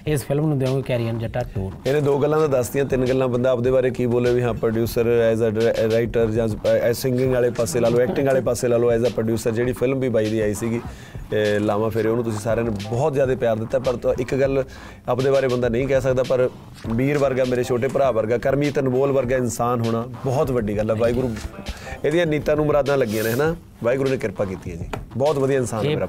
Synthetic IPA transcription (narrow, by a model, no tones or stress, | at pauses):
ɪspʰɪlmnũːd̪eõːɡekɛːɾiənd͡ʒəʈaːkuːɾɪnẽːd̪oːɡəlːãːd̪ãːd̪əsd̪ɪjãːt̪ɪnɡəlːãːbənd̪aːəp̚d̪eːbaːɾeːkiːboːleːʋiːɦãːpɾoɖjuːsəɾɛːzaːɾaːɪʈəɾd͡ʒãːsɪŋɡɪ̃ŋɡaːleːpaːseːlaːloːɛːkʈɪ̃ŋɡaːleːpaːseːlaːloːɛːzaːpɾoːɖjuːsəɾd͡ʒeːɽiːpʰɪlmʋiːbaːiːd̪iːaːiːsiːɡiː | laːʋãːpʰɪɾeoːnũːt̪ʊsĩːsaːɾeãːnebɔːt̪zjaːd̪eːpɪjaːɾd̪ɪt̪ːaːpəɾʔɪkɡəl | apd̪eːbaːɾeːbənd̪aːnəĩːkɛːs̬əkd̪aːpəɾ | biːɾʋəɾɡaːmeːɾeːt͡ʃʰoːʈ̬eːpəɾaːʋəɾɡaːkəɾmiːt̪ənboːlʋəɾɡaːɪnsaːnɦoːɽ̃aːbɔːt̪ʋəɖiːɡəlɛːʋaːiːɡɾuːeːd̪ɪjãːniːt̪ãːnũːməɾaːd̪ãːləɡijãːnẽːɦɛːnaː | ʋaːiːɡɾuːnẽːkɪɾpaːk̬iːt̪iːɦɛːd͡ʒiːbɔːt̪ʋəd̪ijaːɪnsaːnɛeːɾaː